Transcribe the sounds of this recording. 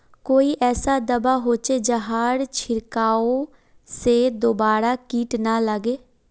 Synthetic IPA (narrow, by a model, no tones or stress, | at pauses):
koːiːʔɛːsaːd̪əbaːɦoːt͡ʃeːd͡ʒəɦaːɽt͡ʃʰɪɾkaːoː | seːd̪oːbaːɾaːkiːʈnaːləɡeː